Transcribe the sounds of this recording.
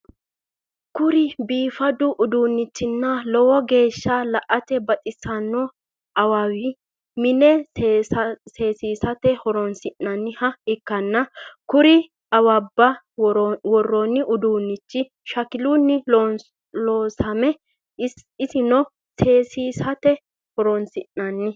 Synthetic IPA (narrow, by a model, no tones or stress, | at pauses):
kʊɾɪbiːfɐd̪ʊʔʊd̪uːnːɪt͡ʃːɪnːɐlɔwɔɡe̞ːʃːɐlɐʔɐt̪ɛbɐt̪ʼɪsːɐnːɔ | ɐwawɪ | mɪnɛ | se̞ːsiːsɐt̪ɛhɔɾɔnsɪnːɐnːɪhɐɪkːɐnːɐkʊɾɪ | ɐwɐbːɐ | wɔrːɔnːɪʔʊd̪uːnːɪt͡ʃːɪ | ʃɐkɪlunːɪ | loːsɐmɛ | ɪsɪnɔ | seːsiːsɐt̪ɛ | hɔɾɔnsɪnːɐnːɪ